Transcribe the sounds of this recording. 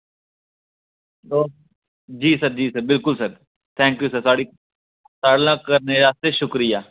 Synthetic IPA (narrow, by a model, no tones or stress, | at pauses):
d̪oː | d͡ʒiːsɐɾd͡ʒiːsɐɾbɪlkʊlsɐɾ | t̪ʰɛ̃ːŋkjuːsəɾsaːɽi | saːɽlãkɐɾneɾaːst̪eʃʊkɾɪjaː